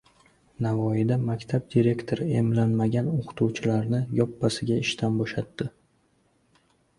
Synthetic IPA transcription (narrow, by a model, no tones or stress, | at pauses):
navɒjɪd̪amakʲt̪ʰab̚d̪iɾe̞kʲt̪ʰoɾe̞mlanmaɡʲanoqʰɨ̥t̪ʰuwt͡ʃʰɪlaɾnɪjɒpːasɪɡʲaɪʃt̪ʰanboʃat̪ːɪ